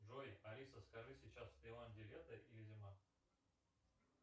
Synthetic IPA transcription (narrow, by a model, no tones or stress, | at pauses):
ʐojɪʔɐɾʲisəskɐʐɨsʲɪt͡ɕasːp̪ʲelˠamdʲɪlʲet̪əʔilʲɪzʲɪma